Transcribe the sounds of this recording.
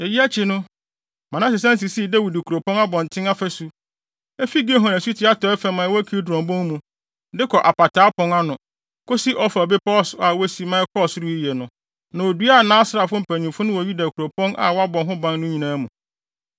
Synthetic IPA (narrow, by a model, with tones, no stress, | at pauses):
e˨ji˦æ˦t͡ɕʰi˦nʊ̃˦ | mã˨nã˦s̬ɪ˨sã˦n˦si˨si˦˨dæ˦wi˨di˨kʰu˨ɾo˨pʰɔ̃˦na˦bɔ̃˨n˨tʰɪ̃˦ŋa˦fæ˦su˦ | ɛ˦fi˦ɡe˦ɦɔ̃˨næ̃˨su˦tʰi˨˦a˦tʰɔ˦ɛ˦fɛ˨˦mã˨˦wɔ˦kʰi˦dɾɔ̃˨mbɔ̃˦ŋmũ˨ | dɪ˦kʰɔ˨ʔa˨pa˨tʰaː˨˦pʰɔ̃˦ŋa˦nʊ̃˨ | kʰo˦si˦ʔɔ˦fa˨bɪ˦pʰɔ˦˨sa˨wɔ˦si˦mãː˨˦ɛ˦kʰɔ˦˨sɾu˦i˦jɛ˨nʊ̃˨ | nã˨o˨du˦a˦˨nãː˦sɾa˨fʊ˦m̩˨pʰæ˨ɲĩ˨mfʊ˦nʊ̃˦wɔ˨ɥi˦dæ˨kʰu˨ɾo˨pʰɔ̃˦nʔa̰˨wa˦bɔ̃˨nɦʊ̃˦bã˦nnʊ̃˦ɲĩ˨nãː˦mũ˨